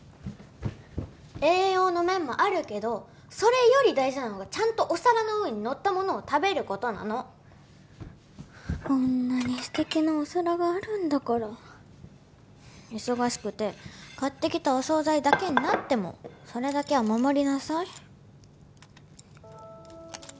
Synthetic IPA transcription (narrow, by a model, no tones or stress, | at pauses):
e̞ːo̞ːno̞mẽ̞mːo̞ʔaɾɯ̟ke̞d̪o̞ | so̞ɾe̞jo̞ɾʲid̪aiʑinano̞ɡat͡ɕãnt̪o̞ʔosaɾanohɯ̃ɲ̟ino̞t̪ːamo̞no̞ːt̪abe̞ɾɯ̟ko̞t̪o̞na̰no̞ | õnːaɲ̟isɨ̥t̪e̞kʲinaosaɾaɡaːɾɯ̟̃nd̪akaɾa | iso̞ɡaɕi̥kɯ̟t̪e̞kat̪ːe̞kʲi̥t̪ao̞so̞ːzaid̪ake̞ɲ̟inat̪ːe̞mo̞̰so̞ɾe̞d̪ake̞βamamo̞ɾʲinasai